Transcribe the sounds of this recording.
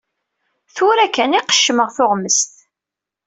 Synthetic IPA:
θʊɾækːæniqə̥ʃːəməʁθʊʁməst̪

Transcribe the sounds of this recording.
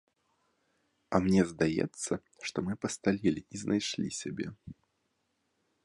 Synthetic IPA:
ɐmnʲɛzd̪ajɛ̰t̪sːɐ | ʂt̪ɔmɨpɐst̪alʲilʲiiznʔajʂlʲisʲabʲɛ

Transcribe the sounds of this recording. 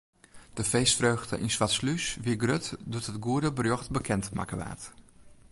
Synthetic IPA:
d̥əfeːstfrøːɣdə̰ʔinswatslysʋiɡrøtdutɦətɡuədəbərjɔxtbəkʰɛntma̰kəʋa̰ːt

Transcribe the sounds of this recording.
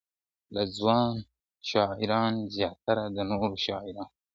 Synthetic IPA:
lazwɑːn | ʃɑːɪɾɑnzjɑːt̪aɾad̪ənoɾoʃɑːɪɾɑːn

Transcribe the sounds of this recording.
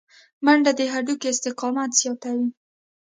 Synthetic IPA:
maɳɖad̪əɦaɖukeɪst̪ɪqɑmat̪z̥jɑt̪awi

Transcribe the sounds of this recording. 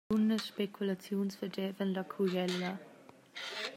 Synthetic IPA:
unəʃpekʰulat͡sjoːnsfədɛvənlakʰuɡɛlːa

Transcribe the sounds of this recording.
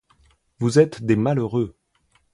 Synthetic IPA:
vuzɛt̪d̪emaløʁø

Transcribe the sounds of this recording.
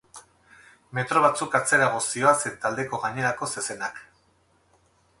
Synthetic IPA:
me̞t̪ɾo̞β̞at͡sukat͡se̞ɾaɣosio̞aset̪ald̪e̞ko̞ɣaɲe̞ɾako̞se̞se̞nak

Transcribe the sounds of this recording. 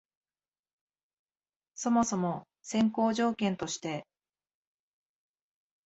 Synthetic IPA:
so̞mo̞so̞mo̞ | sẽ̞ŋko̞ːʑo̞ːkẽ̞nt̪o̞ɕi̥t̪e̞

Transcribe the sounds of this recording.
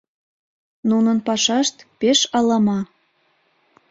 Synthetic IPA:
nunənpɑʃɑʃt̪peʃɑlɑmɑ

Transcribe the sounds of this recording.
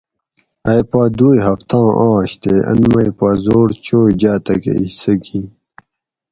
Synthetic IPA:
ɐjpaːd̪uːjɦɐft̪ʰãːʔãːɕt̪eɐ̰nmɐjpaːzoːɽt͡ɕoːd͡ʑaːt̪ɐkḛisɐɡi

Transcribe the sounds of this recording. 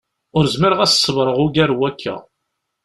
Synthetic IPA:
ʊɾzməɾʁæssˤːəvɾˤəʁʊɡæɾwækʰːæ̰

